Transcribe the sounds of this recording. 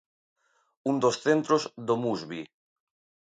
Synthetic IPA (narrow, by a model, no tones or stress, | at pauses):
und̪osθent̪ɾozðomuzβi